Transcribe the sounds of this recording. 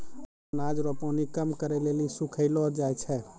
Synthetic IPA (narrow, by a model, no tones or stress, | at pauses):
nad͡ʒɾɔponikəmkəɾɛlelisukʰəɪlɔɾd͡ʒajt͡ʃʰɛ